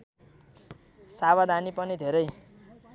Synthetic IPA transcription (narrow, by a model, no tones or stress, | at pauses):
saβad̪anipʌnid̪ʱeɾʌj